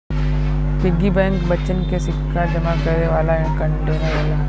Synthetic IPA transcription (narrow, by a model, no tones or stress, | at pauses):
pɪɡibɛ̃ːŋkbɐt͡ʃənkesɪkʰːad͡ʒɐmakɐɾeʋaːlaɦɪ̃kə̃ɳʈeːneʋaːla